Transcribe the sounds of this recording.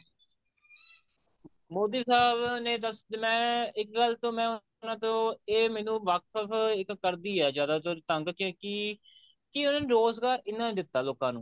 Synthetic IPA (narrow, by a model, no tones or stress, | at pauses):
moːd̪iːsaːbneːd̪əsmɛ̃ːɪk̚ɡəlt̪õːmɛ̃ːʊ | nãːt̪õːeːmɛːnũːʋaːkʰəfʰɪkːəɾd̪iːɛːd͡ʒjaːd̪aːt̪oːt̪əŋɡkẽːkɪ | kɪʊnãːnːɾoːsɡaːɾɪnːãːd̪ɪt̪ːaːloːkãːnũː